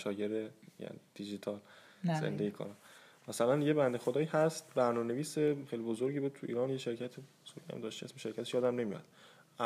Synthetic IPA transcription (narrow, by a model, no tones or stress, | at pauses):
ʃɒːjeɾejæ̰nid̪̥id͡ʒit̪ʰɒːl | zḛnd̪ejikʰɒ̰ɾɒ | mæsælænje̞bænd̪exod̪ɒːiːhæst̪bæɾnɒmene̞viːseχxejlibozoɾɟiːbud̪̚t̪ʰuʔḭːɾɒːnjeʃe̞ɾcʰæt̪ʰe | suɾɡæ̰md̪ɒːʃt̪iæsiʃeɾcʰæt̪e̥ʃjɒːd̪æmne̞mijɒ̰d̪̥̚